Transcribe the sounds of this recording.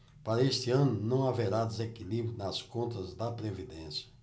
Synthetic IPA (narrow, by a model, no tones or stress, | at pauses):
paɾɐest̪ɪɐ̃nʊnɐ̃w̃aveɾad̪ezekilibɾjʊnɐskõnt̪ɐzd̪ɐpɾevid̪ẽsjɐ̥